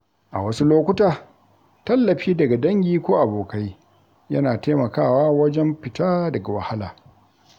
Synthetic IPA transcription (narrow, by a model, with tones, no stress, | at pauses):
ʔa̰˨wɐ˦su˦loː˦kʷʊ˦taː˨ | tɐ˦lːɐ˨ɸiː˦dɐ˨ɡa˨dɐ˦ŋɡʲiː˦kʷoː˦ʔa˨boː˨ka˦j | jɐ˦naː˨teː˦mɐ˨kaː˦˨waː˦wɐ˦d͡ʒɛ˦mɸɪ˨taː˦dɐ˨ɡa˨wɐ˨ha˦laː˨